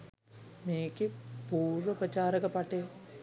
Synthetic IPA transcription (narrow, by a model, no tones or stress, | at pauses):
meːkipuːɾʋəpɾɐt͡ʃaːɾɐkɐpɐʈeː